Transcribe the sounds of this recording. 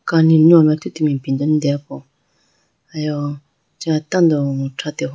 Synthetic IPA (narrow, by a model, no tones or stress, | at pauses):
kaniɲumat̪ʰut̪imipind̪ond̪ɛpo | ajɔ | t͡ʃat̪and̪ɔʈ͡ʂʰat̪eɦ